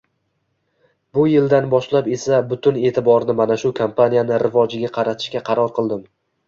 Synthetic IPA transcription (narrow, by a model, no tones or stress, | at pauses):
bʊjɪld̪anbɒʃlape̞sabʊt̪ʰʊne̞ːt̪ʰɪbɒɾnɪmanaʃʊkʰampʰanijanɪɾɪvɒd͡ʒɪɡʲaqʰɑɾat̪ʰɪ̥ʃkʲaqʰɑɾɒɾqʰɨlˠd̪ɪm